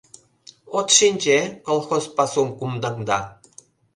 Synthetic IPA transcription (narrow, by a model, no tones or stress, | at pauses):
ot̪ʃinʲt͡ɕekolˠxospɑsumkumd̪ɑŋd̪ɑ